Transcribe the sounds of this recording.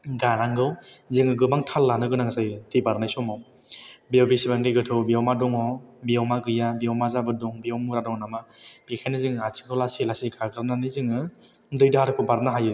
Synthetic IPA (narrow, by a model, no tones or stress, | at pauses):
ɡanaŋɡɯwzɯŋɯɡɯbaŋtʰalːanɯɡɯnaŋsajtibaɾnajsɔmaw | biawbisibandɯjɡɯtʰɯwbiawmadɔŋɔbiawmaɡɯjabiawmazabɯduŋbiɔwmuɾadɔŋnamab̥ikʰajnɯzɯŋɯatʰi̥ŋkʰɔwlaselaseɡaɡɯɾnanɯjzɯŋɯ | dɯjdaaɾɯkʰɔbaɾnaɦajɯ